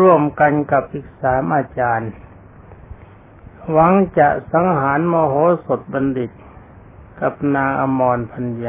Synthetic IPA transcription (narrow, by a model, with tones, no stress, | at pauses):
u˧˥˩əmka˧nka˧˩p̚ʔi˧˩k̚saː˨˦mʔaː˧t͡ɕaː˧n | wa˧˥ŋt͡ɕa˧˩ʔsa˨˦ŋɦaː˨˦nmɔː˧ɦoː˧˦˥so˨˩t̪̚ba˧ndi˨˩t̪̚ | ka˧˩p̚naː˧ŋʔa˧mɔː˧npʰa˧nja˧